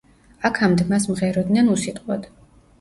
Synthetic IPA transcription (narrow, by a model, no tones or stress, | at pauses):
akʰamd̪masmʁɛɾɔd̪nanusit̪ʼqʼwad̪